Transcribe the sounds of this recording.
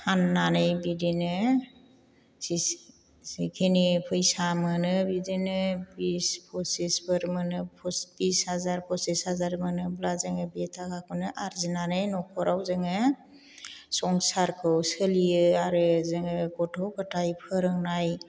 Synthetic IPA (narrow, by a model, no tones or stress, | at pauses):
hʰanːanɯjbidinɯ | si | sikʰenipʰɯjsamɯnɯbidenɯbispʰɔsespʰɯɾmɯnɯpʰsb̥ishazaɾpʰɔseshazaɾmɯnɯblazɯŋɯbetʰakʰakʰunɯʔaɾzinanɯjnɔkʰɔɾawzɯŋɯ | sɔŋsaɾkʰɯwsɯlijɯaɾɯzɯŋɯɡɔtʰɔwkʰɯtʰajpʰɯɾɯŋnaj